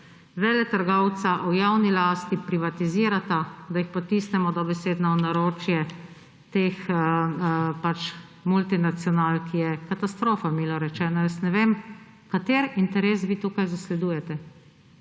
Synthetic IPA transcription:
ʋɛlɛt̪əɾɡɔwt̪saʔujawnilaːst̪ipɾiʋat̪iziːɾat̪ad̪ajixpɔt̪iːsnɛmɔd̪ɔbɛseːd̪naɔnaɾoːt͡ʃjɛ | t̪ex | pat͡ʃ | mult̪inat̪sjɔnaːlkʰijɛkat̪ast̪ɾoːfamiːlɔɾɛt͡ʃɛːnɔjəsnɛʋem | kat̪eːɾint̪ɛɾeːs̬ʋiːt̪uːkajzaslɛd̪uːjɛt̪ɛ

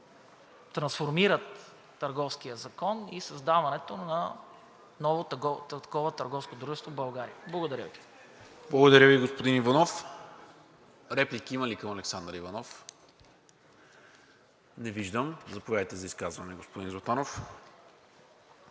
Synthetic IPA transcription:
t̪ɾɐ̃nsfoɾmiɾət̪ː | əɾɡɔfsk̟ijəzɐkɔnisɐzd̪avɐnɛt̪onɐ | nɔvot̪ɡ̪ɐkɔvət̪əɾɡɔfskod̪ɾuʒɛst̪vobɐlˠɡaɾḭəblˠɐɡod̪ɐɾʲjə̰vi | blˠɐɡod̪ɐɾʲjəviɡospod̪inivɐnɔf | ɾɛplikiiməlikɐmɐlɛksand̪ɾəivɐnɔf | nɛviʒd̪əmzɐpovʲjad̪əjt̪ɛzɐiskazvɐnɛɡospod̪inzˠot̪anof

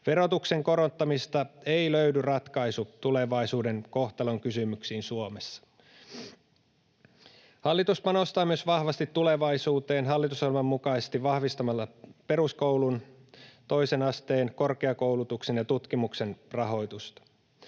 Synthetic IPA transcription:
ʋe̞ɾo̞t̪ukse̞ŋko̞ɾo̞nt̪ːɑmist̪ɑeiløydyrɑt̪kɑisut̪ule̞ʋɑisuːde̞nko̞ht̪ɑloŋkysymyksiːnsuome̞sːɑ̥ | hɑlːit̪uspɑnost̪ɑːmyøsʋɑhʋɑst̪it̪ːule̞ʋɑisuːt̪e̞ːnɦɑlːit̪ushɑlmɑmːukɑsest̪iʋʋɑhʋist̪ɑmɑlːɑpe̞ruskowlunt̪o̞jse̞nɑst̪eːnko̞rkeɑko̞wlut̪ukse̞njɑt̪ut̪kimukse̞nrɑɦo̞jt̪ust̪ɑ̥

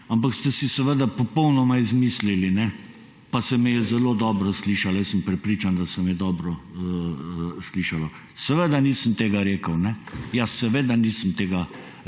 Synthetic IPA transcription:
amp̬akst̪ɛsisɛʋəd̪apɔpɔwnɔmaizmiːslilinɛ | pasɛmɛjɛzɛloːd̪ɔːbɾɔsliːʃaljɛsəmpɾɛpɾiːt͡ʃand̪asɛmɛjɛd̪ɔːbɾɔə | sliːʃalɔ | sɛʋəd̪aniːsəmt̪eːɡaɾeːkəwnɛjasːɛʋed̪aniːsəmt̪eːɡa

